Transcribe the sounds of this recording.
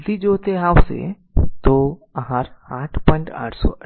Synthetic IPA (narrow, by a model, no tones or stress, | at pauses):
d̪id͡ʒot̪eɦaːwsḛ | t̪oɐɦaːɾaːʈʰpɔ̃ːɪ̃ɳʈa̰ːʈʰsɔ̰ʔɐ